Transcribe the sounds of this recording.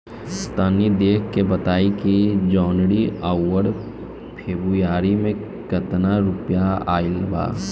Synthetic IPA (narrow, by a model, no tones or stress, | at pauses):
st̪əːnid̪eːkʰkːebɐt̪aːikid͡ʒɔːnɽiaːwəɽ | pʰeːbɾujaːɾimẽ | kɐt̪naɾʊpjaa̰ːɪlba̰ː